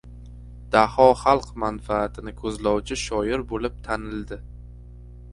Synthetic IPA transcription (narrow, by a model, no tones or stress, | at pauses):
d̪̥ahɒχalˠqmanfaːt̪ʰɪnɪkʰɵzlɒwt͡ʃʰɪʃɒjɪɾbolɪp̚t̪ʰanɪld̪ɪ